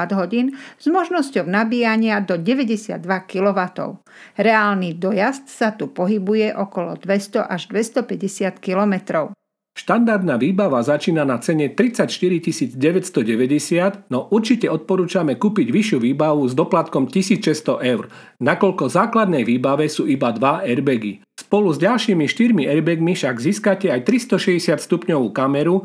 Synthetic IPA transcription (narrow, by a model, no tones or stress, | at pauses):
ad̪ɦɔɟiːnz̥mɔʒnɔscɔʊnabiːjaɲɪad̪ɔɟɛʋɛɟɛsɪa̰d̪ːʋakilɔʋat̪ɔ̰ʊ | ɾɛaːlnid̪ɔjast̪sat̪upɔɦibujɛʔɔkɔlɔ̰d̪ʋɛst̪ɔʔaʒd̪ʋɛst̪ɔpɛɟɛsɪat̪kilɔmɛt̪ɾɔʊ | ʃt̪and̪aɾd̪naːʋiːbaʋazat͡ʃiːnanat͡sɛɲɛt̪ɾit͡sacʃt̪iɾicisiːd͡zɟɛʋɛcst̪ɔɟɛʋɛɟɛsɪad̪nɔʔuɾt͡ʃicɛɔt̪̚pɔɾuːt͡ʃamɛkuːpiɟʋiʃɪuʋiːbaʋuzd̪ɔplat̪kɔmcisiːt͡sʃɛst̪ɔʔɛʊɾ | nakɔʎkɔzaːklad̪nɛjʋiːbaʋɛsuːibad̪ʋaɛɾbɛɡi | spɔluzɟalʃiːmiʃt̪iɾmiɛɾbɛɡmifʃaɡziːskacɛajt̪ɾist̪ɔʃɛɟɛsɪat̪st̪upɲɔʋuːkamɛɾu